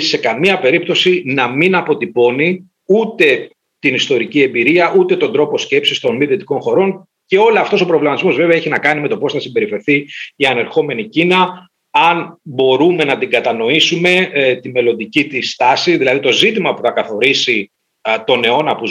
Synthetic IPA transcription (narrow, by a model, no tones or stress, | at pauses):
se̞kɐmiɐpe̞ɾip̚t̪o̞sinɐminɐpo̞t̪ipo̞ni | ut̪e̞ | t̪inist̪o̞ɾicie̞mbiɾiɐʔut̪e̞t̪o̞nd̪ɾo̞po̞sce̞psist̪o̞nmiðet̪i̥ko̞nxo̞ɾo̞n | ce̞o̞loɐft̪o̞so̞pɾovlemɐt̪izmozve̞veɐeçinɐkɐnimet̪o̞po̞sθɐsimbe̞ɾife̞ɾθiiɐne̞ɾxo̞me̞nicinɐ | ɐnbo̞ɾume̞nɐt̪iŋɡɐt̪ɐno̞isume̞t̪ime̞lo̞nd̪icit̪ist̪ɐsiðilɐðit̪o̞zit̪imɐpuθɐkɐθo̞ɾisi | t̪o̞ne̞o̞nɐpu